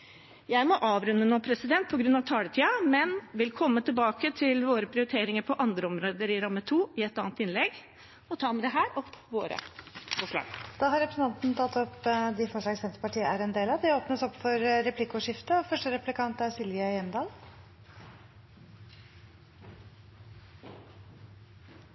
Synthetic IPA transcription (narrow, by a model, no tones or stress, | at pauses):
jæɪmɔʔɑːʋɾʉnːənoːpʰɾɛsɪd̪ɛnt̪̚pʰɔɡɾʉnːɑʋt̪ʰɑːlət̪ʰiːɑmɛnʋɪlkʰɔmːət̪ʰɪlbɑːkət̪ʰɪlʋoːɾəpʰɾɪʊɾɪt̪ʰeːɾɪŋəɾpʰɔʔɑnd̪ɾəɔmɾoːd̪əɾɪɾɑmːət̪ʰuːɪɛt̪ɑ̰ːnt̪ɪnlɛɡ | ɔt̪ʰɑːmɛd̪ɛɦæːɾʔɔpːʋo̰ːɾə̰foːʂɭɑ̰ːɡd̪̥ɑːɦɑɾɛpɾsn̩t̪ɑnt̪n̩t̪ʰɑt̪ːɔpd̪ɪfɔʂɭɑɡsɛnt̪ɾəpɑʈʰiːəʔæɾɛnd̪eːlɑd̪ɛoːpnəsɔpːfɔɾɾɛpʰlɪkːʊʂɪft̪əɔfœʂʈəɾɛpʉlɪkʰɑnt̪æɾsɪlʋɪəjɛmd̪ɑːl